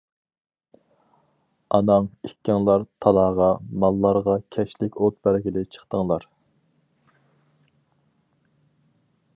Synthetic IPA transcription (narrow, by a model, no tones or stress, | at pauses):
ɑnɑŋikʲːɛŋlˠɑɾt̪ʰɑlˠɑːʁɑmɑlˠːɑɾʁɑkʲʰɛʃlɪkʲot̪̚bæɾɡʲɪlɪt͡ʃʰə̥χt̪əŋlˠɑɾ